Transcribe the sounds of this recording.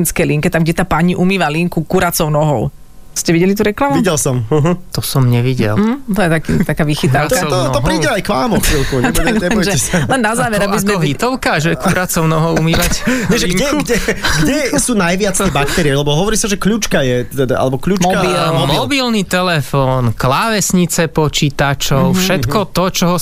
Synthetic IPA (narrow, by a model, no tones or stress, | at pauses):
inskɛjliŋkɛt̪amɡɟɛt̪aːpaɲiʔumiːʋaliŋkukuɾat͡sɔʊnɔɦɔʊ | scɛʋiɟɛlit̪̬uɾɛklamuiɟɛlsɔm̩ɦ̩t̪ɔsɔmɲɛʋiɟɛ̰l̩ˠt̪ɔjɛt̪akit̪akaːʋixit̪aʊt̪at̪ɔɔpɾiːɟɛajkʋaːmɔxfilˠkuɲt̪ɛbɔjʒɛsalɛnːazaːʋɛɾɾabizmɛɦit̪ɔʊkaʒɛkuɾat͡sɔʊnɔɦɔʊumiːʋacɛʒɛɡɛɡɛɡɟɛsuːnajʋɪat͡s̪ɛbak̚t̪ɛɾiɛlɛbɔɦɔʋɔɾiːsaʒɛkʎuːt͡ʃkajɛt̪t̪ɛd̪a̰ʔa̰lɛbɔkʎuːkaimɔbilnit̪ɛlɛfɔːnklaʋɛsɲit͡sɛpɔt͡ʃiːt̪at͡ʃɔʊfʃɛt̪kɔt̪ɔt͡ʃɔɦɔ